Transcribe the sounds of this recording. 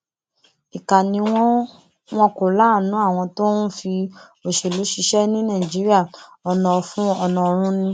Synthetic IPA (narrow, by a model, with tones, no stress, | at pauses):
i˨ka˨nĩ˧w̃ɔ̃˦ | w̃ɔ̃˧˦ko˨la˨˦˨nũ˨˦a˦˨w̃ɔ̃˧to˦nũ˦fi˧ | o˨ʃe˨lu˨˦ʃi˧ʃɛ˦nĩ˦nã˦˨d͡ʒi˨˦ɾi˦a˦˨ɔ˧nɔ̃˨˧fũ˦ɔ˧nɔ̃˧˨ɾ̃ũ˦nĩ˧